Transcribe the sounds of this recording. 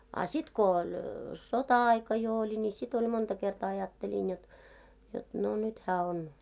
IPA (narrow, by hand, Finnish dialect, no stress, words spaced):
ɑ sit ko olʲ sotɑɑikɑ jo olʲi ni sit olʲ montɑ kertɑː ɑjɑtːelin jot jot no nyt hæː on